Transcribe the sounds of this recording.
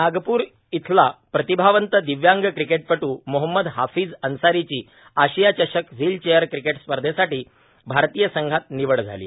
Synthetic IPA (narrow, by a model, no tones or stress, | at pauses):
naɡpuːɾ | it̪ʰlapɾət̪ibʱaʋənt̪əd̪iʋjaŋɡkɾikeʈ̚pəʈuːmoɦəmːəd̪ɦafiːd͡zənsaɾit͡ɕiː | aɕijat͡ɕəɕəkd͡ziːlt͡ɕejəɾkɾikeʈspəɾd̪ʱesaʈiː | bʱaɾt̪iːjəsəŋɡʱat̪̚niʋəɭd͡zʱa̰lḭ